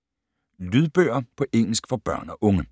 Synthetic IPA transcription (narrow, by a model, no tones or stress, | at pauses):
lyðˠb̥ø̰ːɐpʰɒ̽ʔeŋ̰l̩sɡ̥fɒ̽b̥ɶɐ̰nɒʔɔ̽ŋə